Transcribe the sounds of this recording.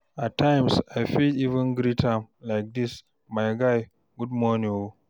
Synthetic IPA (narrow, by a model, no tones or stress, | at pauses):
atʰːãjmsajfidivə̃nɡɾitʰãmlajk̚dis | majɡaj | ɡud̚mɔnĩwo